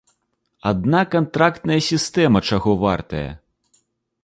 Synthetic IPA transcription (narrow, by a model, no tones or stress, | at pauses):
ad̪nakant̪ɾakt̪nɐjɐsʲist̪ɛmɐt͡ʂaɣɔva̰rt̪ɐjɐ̰